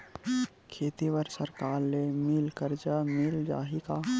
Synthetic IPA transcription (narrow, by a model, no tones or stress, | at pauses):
kʰeːt̪iwəɾsəɾkaːɾlemɪlkəɾd͡ʒamɪld͡ʒa̰ːɦika